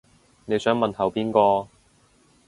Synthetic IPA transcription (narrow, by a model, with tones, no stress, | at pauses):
ne˨˧jsœː˨˥ŋmɐ˨nhɐ˨˩wpiː˥nkɔː˧